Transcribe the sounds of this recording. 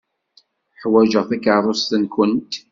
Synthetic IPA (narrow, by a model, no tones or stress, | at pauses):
ħwæʒəʁθækʕəɾˤost̪ənkʊnt̪